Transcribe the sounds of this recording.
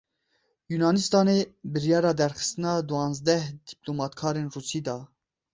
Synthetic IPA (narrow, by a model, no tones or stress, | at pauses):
junɑːnist̪ɑːnebɨɾjɑːɾɑːd̪ɛɾxɨ̥st̪ɨnɑːd̪uɑːnzd̪ɛhd̪̥iplomɑt̪kʰɑːɾenruːsiːd̪ɑː